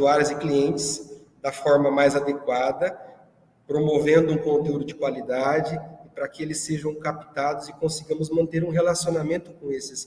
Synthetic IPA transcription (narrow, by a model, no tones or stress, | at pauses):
uaɾɪzɪkliẽnt͡ʃɪz | d̪ɐfɔɾmɐmajzad̪ekwad̪ɐ | pɾomovẽnd̪ʊũkõnt̪eud̪ʊd͡ʒɪkwalid̪ad͡ʒɪɪpɾɐkɪelɪsːeʒɐ̃w̃kapi̥t̪ad̪ʊzɪkõsiɡɐ̃mʊzmɐ̃nt̪eɾũɦelasionamẽnt̪ʊkõesɪs